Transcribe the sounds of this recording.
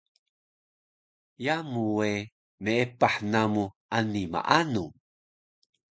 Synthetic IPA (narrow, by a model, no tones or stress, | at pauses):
jamuwe | meepaħnamuʔanima̰ʔanu